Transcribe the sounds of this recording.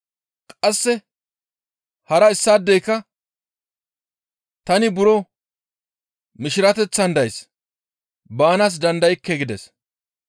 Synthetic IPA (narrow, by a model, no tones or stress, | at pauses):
kʼɐsːɛ | hɐɾɐɪsːaːd̪ːɛjkːɐ | t̪ɐnɪbʊɾɔ | mɪʃɪɾɐt̪ɛt͡sːɐnd̪ɐjs | baːnas̬d̪ɐnd̪ɐjɪkːɛɡɪd̪ɛs